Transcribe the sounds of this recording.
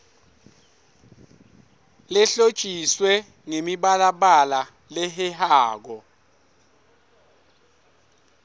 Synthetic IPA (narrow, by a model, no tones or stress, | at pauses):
lɛɬo̥t͡ʃʼiswɛ | ŋemiɓalaɓala | lɛɦɛhaːk̬ɔ